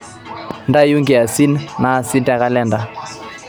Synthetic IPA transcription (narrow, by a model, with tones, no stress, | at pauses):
nda˦ju˦ŋɡɛ˨a˨si˦nna˨si˦nta˦ka˦lɛ˦nda˦